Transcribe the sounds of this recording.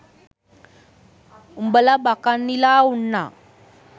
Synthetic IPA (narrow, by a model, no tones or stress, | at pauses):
umbəlabakanːilaunːa̰